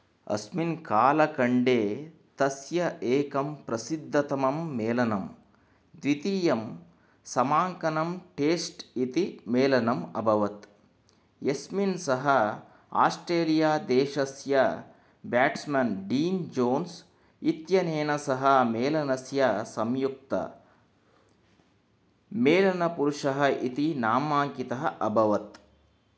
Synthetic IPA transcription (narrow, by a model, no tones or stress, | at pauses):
ɐ̰sminkaːlɐkɐɳɖeːt̪ɐsjɐʔeːkɐmpɾɐsid̪ʱːɐt̪ɐmɐmːeːlɐnɐm | d̪ʋit̪iːjɐm | sɐmaːŋkɐnɐmʈeːsʈit̪imeːlɐnɐmɐ̰bʱɐʋɐt̪ | jesminsɐɦɐ | a̰ːsʈɾeːlijaːd̪eːʃɐsjɐ | bjaːʈsmɐnɖiːnd͡ʒoːns | it̪jɐneːnɐsɐɦɐmeːlɐnɐsjɐsɐmjuk̚t̪ɐ̰ | meːlɐnɐpuɾuʂɐɦɐʔit̪inaːmaːŋkit̪ɐɦɐʔɐbʱɐʋɐt̪